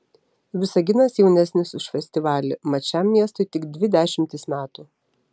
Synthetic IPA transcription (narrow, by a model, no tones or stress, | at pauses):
ʋʲɪsɐɡʲɪnɐsjɛʊnʲæsʲnʲɪsʊʃfʲɛsʲt̪ʲɪʋɑːlʲɪmɐt͡ʃʲɛmːʲiɛst̪ɔɪt̪ʲɪɡd̪ʲʋʲɪd̪ʲæːʃʲɪmʲt̪ʲɪsmʲæːt̪u